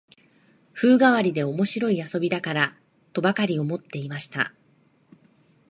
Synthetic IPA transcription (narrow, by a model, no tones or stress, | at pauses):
ɸɯ̟ːɡaβaɾʲid̪e̞o̞mo̞ɕiɾo̞iaso̞bʲid̪akaɾa | t̪o̞bakaɾʲio̞mo̞t̪ːe̞imaɕi̥t̪a̰